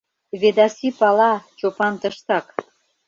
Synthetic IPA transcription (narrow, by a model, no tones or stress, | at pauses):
βed̪ɑsipɑlɑt͡ɕopɑnt̪əʃt̪ɑk